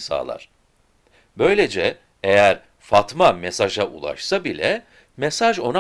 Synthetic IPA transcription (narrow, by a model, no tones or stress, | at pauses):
sa̰ːlˠa̰ɾ̥ | bø̞jlʲe̞d͡ʒɛ | ejæɾ | fat̪mamesaʒaʔulˠa̰ʃsabilʲɛ | me̞saʒo̞na